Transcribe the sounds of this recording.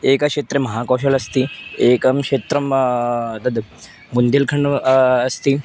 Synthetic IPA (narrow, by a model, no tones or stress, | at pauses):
eːkakʂeːt̪ɾemɐɦaːkɐːʃ̬ɐlɐst̪ieːkɐmkʂeːt̪ɾɐmd̪ɐd̪ | mund̪elkʰɐɳɐst̪i